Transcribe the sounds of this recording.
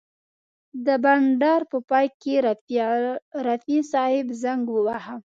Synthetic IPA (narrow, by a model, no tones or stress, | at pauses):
d̪əbaɳɖɑɾpəpɑjke | ɾafisɑhɪbzaŋɡwəwaha